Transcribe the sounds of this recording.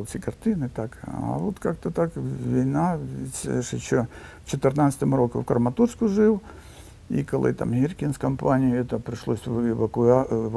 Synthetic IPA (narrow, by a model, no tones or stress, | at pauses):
lˠsʲikɐrt̪ɪnɨt̪akɐ̰ʋot̪kak̚t̪ɐt̪akʋʲijnaitʲʂɪɕo | t͡ɕɪt̪ɨrnat̪sə̥t̪əmɾokʊfkɾmɐt̪urskʊʐɪw | ḭkɐlˠɨ̰t̪a̰mɦʲirkʲɪnskɐmpanʲɪjʊɛt̪əpɾɪʂlˠosʲɪʋɐkʊa